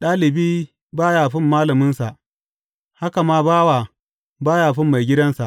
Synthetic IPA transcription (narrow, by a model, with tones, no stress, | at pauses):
ɗaː˦lɪ˨biː˦ | baː˦jaː˨ɸɪ˦mːaː˦lɐ˨mʊ˦nsa˨ʔ | ha˦ka˨maː˦baː˦waː˨ | baː˦jaː˨ɸɪ˦mːa˨jɡʲɪ˦dɐ˦nsa˨ʔ